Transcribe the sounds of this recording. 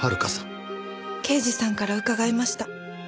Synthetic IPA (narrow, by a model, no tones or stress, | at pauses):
haɾɯ̟kasḁ̃ | ke̞ːʑisãŋkaɾaɯ̟kaɡaimaɕi̥t̪a